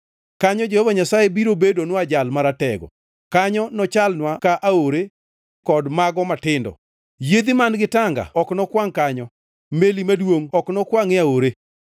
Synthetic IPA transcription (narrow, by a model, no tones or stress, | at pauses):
kaɲɔd͡ʒehovaɲasajebiɾobedonwad͡ʒalmaɾatɛɡɔ̰ | kaɲɔnɔt͡ʃalnwakaʔaoɾe | kɔdmaɡɔmatɪndɔ̰ | jed̪imanɡɪtaŋɡa̰ɔknɔkwaŋkaɲɔ | melimadwoŋɔknɔkwaŋeaoɾe